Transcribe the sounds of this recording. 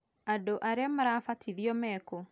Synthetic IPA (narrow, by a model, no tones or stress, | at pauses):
adoʔaɾeamaɾafatʰiðiɔmɛko